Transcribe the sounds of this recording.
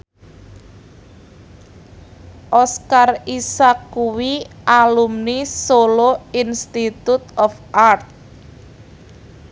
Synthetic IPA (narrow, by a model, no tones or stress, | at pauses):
ʔɔskarisakːuwiʔalumnisoloinst̪it̪ut̪̚ɔfʔart̪̚